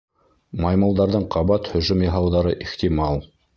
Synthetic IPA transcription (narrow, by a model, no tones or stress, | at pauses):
mɑjmɑlˠd̪ɑɾðɤɴqʰɑβɑt̪hɵ̆ʒɵmjɑ̆ɦɑwðɑɾɤʔixt̪imɑlˠ